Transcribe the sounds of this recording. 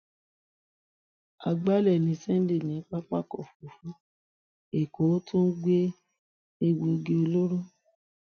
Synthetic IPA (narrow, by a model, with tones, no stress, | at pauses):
a˧ɡ͡ba˦lɛ˦˨nĩ˧˦sɛ˦n̩˦le˦˨nĩ˨˦k͡pa˦k͡pa˦kɔ˦˨fu˨˦fu˨˦ | e˨ko˨˦tũ˦ɡ͡be˦ | e˧wu˧ɡe˧o˧lo˦ɾo˦